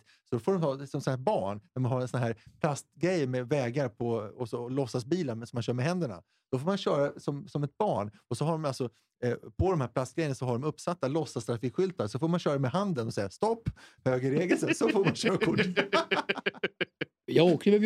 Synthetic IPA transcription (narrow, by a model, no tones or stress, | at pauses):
sɔd̪ɔfoːɖɔmt̪ɑːsɔmsɔnæːbɑːɳnæɾmanhaɾɛnsɔnɦæːɾpʰlast̪ɡɾɛjːmɛvɛːɡaɾpʰɔɔsɔlɔsːasbiːlənsɔmːanɕœːɾmɛɦɛnd̪əɳa̰ | sd̪̥ɔfoːɾmanɕœːɾasɔmsɔmɛt̪̚bɑːɳɔsɔɦaɖɔmalsɔ | pʰɔd̪ɔmhæːɾpʰlast̪ɡɾɛjənasɔɦaɖɔmɵpːsat̪ːalɔsːast̪ɾafiːkɧʏlt̪asɔfoːɾmanɕœːɾaɛmɛɦand̪ənɔsɛjːast̪ɔpːhøːɡəɾeːɡəlsəsɔfoːɾmanɕœːɾakʰʊʈː | jɑoːkəmɛ